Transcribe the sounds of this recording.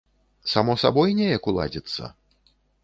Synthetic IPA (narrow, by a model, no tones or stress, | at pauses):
samɔsabɔjnʲɛjɐkulˠa̰d͡zʲit̪sːɐ̰